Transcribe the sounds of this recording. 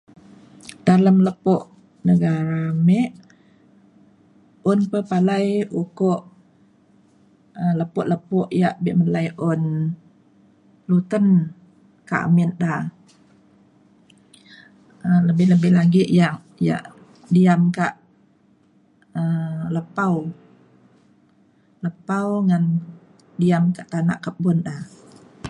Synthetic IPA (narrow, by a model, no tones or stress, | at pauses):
d̥aləmləpɔʔ | nəɡaɾamɛʔ | ʊnpəpalajukɔʔ | ələpʊʔləpʊʔjaʔbɪʔməlajʔʊn | lut̪ən | ka̰ʔa̰minda | ələbɪhləbɪhlaɡɪʔjaŋ | ja̰ʔ | diamkaʔ | ələpaw | ləpawŋan | diamkaʔt̪ana̰ʔkaʔbʊndah